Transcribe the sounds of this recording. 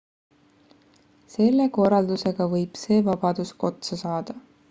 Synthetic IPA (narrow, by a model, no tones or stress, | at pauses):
se̞lːe̞ko̞rɑld̪̥use̞ɡ̥ɑvɤjb̥se̞ːvɑb̥ɑd̪̥usko̞t̪sɑsɑːd̪̥ɑ